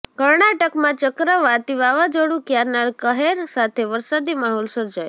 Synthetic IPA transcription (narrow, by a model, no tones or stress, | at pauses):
kəɾɳaʈəkmãt͡ʃəkɾəʋat̪iʋaʋad͡ʒoɽũkjaɾnalkəɦeɾsat̪ʰeʋəɾsad̪imaɦɔlsəɾd͡ʒaj